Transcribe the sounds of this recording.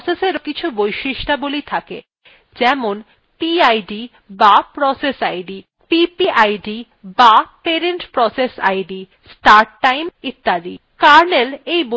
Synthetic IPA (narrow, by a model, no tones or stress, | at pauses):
seseɾkit͡ɕʰubojʃiʃʈabolit̪ʰakḛ | d͡ʑɛmon | piajɖi | bapɾɔsesajɖi | pipiʔajɖi | bapeɾeɳʈpɾɔsesa̰jɖi | sʈaɾʈːajmit̪ːad̪ḭ | kaɾnelejbo